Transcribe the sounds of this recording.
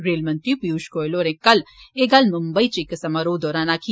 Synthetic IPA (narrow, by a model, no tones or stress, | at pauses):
ɾeːlmɐnt̪ipjuːʃkoːjloːɾẽkɐleɡɐlmumbəit͡ʃikɐsɐmaɾoːd̪ɔːɾaːnaːkʰi